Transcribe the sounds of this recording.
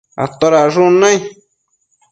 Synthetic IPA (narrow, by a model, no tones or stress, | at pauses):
a̰t̪oɾaʐunãj̃